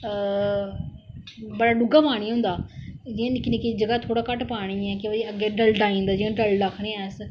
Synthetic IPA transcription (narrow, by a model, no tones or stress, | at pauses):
bəɽaːɖʊɡaːpaːɽ̃iːɦʊ̃nd̪aːd͡ʒiãnɪknekid͡ʒəɡaːt̪ʰoːɽaːkəʈpaːɽ̃iːɛːkɪʋəd͡ʒiəɡeːɖəlɖ̪aːĩːnd̪aːd͡ʒɪãɖəlɖəkʰːnẽːɛːs